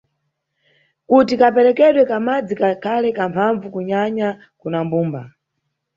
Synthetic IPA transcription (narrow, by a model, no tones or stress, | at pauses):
kutikapɛɾɛkɛɗwɛkamad͡zikakʰalɛkampʰaɱvukuɲaɲa | kunambuːmba